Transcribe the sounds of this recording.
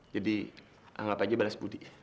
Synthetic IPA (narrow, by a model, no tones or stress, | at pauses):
d͡ʒadi | a̰ŋapad͡ʒabalasbudiʔ